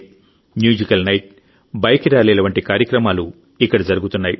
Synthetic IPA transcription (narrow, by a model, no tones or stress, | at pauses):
mjuːd͡ʒikɐlnɐjʈ̚ | bɐjɐkiɾaːlɛːlɐʋɐɳʈikaːɾjɐkɾɐmaːlu | ikːɐɽɐd͡ʒɐɾuɡut̪unːaːji